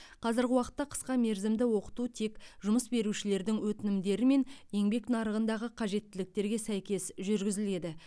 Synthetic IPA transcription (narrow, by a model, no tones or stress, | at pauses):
qʰɑzəɾɡʲɪwɑqə̥t̪ːɑqʰə̥sqɑme̞ɾzɪmd̪ɪwo̞qə̥t̪ut̪ʰe̞kʒʊməsbe̞ɾuʃɪle̞ɾd̪ɪŋwɵt̪ɪnɪmd̪e̞ɾɪme̞nje̞ŋbe̞knɑɾəʁənd̪ɑʁəqʰɑʒe̞t̪ːɪlɪk̚t̪e̞ɾɡʲe̞sæjkʲe̞sʒʏɾɡʲɪzɪle̞d̪ɪ